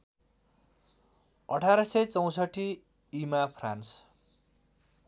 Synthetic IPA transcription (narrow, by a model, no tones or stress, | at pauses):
ʌʈʰaɾʌsʌjt͡sʌw̃sʌʈʰi | imapʰrans